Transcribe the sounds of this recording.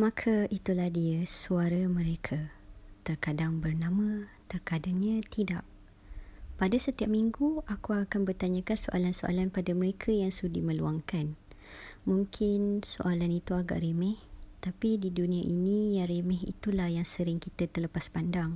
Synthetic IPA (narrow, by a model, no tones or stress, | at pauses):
makʰəʔit̪ulahdiəsuaɾamə̃ɾekʰət̪ərkadaŋbərnãmə̃t̪ərkadaŋɲãt̪ida̰ʔ | padasət̪iap̚miŋɡuakuakanbərt̪aɲə̃kansoʔa̰lanso̰ʔa̰lanpadaməɾekʰəjaŋsudimə̃luaŋkan | muŋkʰɪnso̰ʔalanit̪uaɡa̰ʔɾemɛht̪apididunĩaʔinijaremɛ̃ɦḭt̪ulahjaŋsəɾɪŋkit̪at̪ələpaspandaŋ